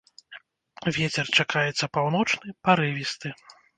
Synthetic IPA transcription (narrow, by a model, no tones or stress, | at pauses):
vʲɛt͡sʲɛrt͡ʂakʰajɛt̪sːɐpawn̪ɔt͡ʂnɨpaɾɨvʲist̪ɨ